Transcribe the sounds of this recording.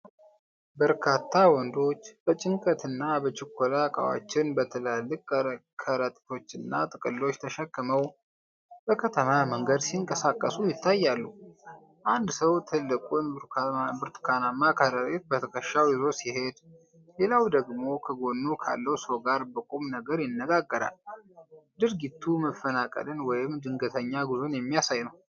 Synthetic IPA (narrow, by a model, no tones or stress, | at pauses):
bəɾkʰat̪ʰːawɔnd̪o̞t͡ʃːb̥ət͡ʃʼɪŋkʼət̪ɨnːabət͡ʃɪkʰːolakʼa̰wa̰t͡ʃːɪnbət̪ʰɨlalːɨkʼ | kʰəɾat̪ʼi̥fo̞t͡ʃːɨnːat̪ʼɨkʼɨlːo̞t͡ʃːt̪ʰəʃəkːəməw | bəkʰət̪ʰəmaməŋɡəd̪siŋkʼəsakʼːəsujɪt̪ʰːajːalːu | ʔand̪səwt̪ʰɨlːɨkʼunbɨɾt̪kʰanamːakʰəɾat̪ʼit̪̚bət̪ʰəkəʃːawjɪzo̞sihe̞d̪ | le̞lawd̪əɡmo̞kʰəɡo̞nːukʰa̰lːəwsəwɡaɾbəkʼumnəɡəɾjɪnːəɡaɡːəɾa̰l | d̪ɨɾɡit̪ʰːuməfːənakʼə̰lɨnwɔjɪmd̪ɨŋɡət̪ʰəɲːaɡuzonjɛmːijasajnəw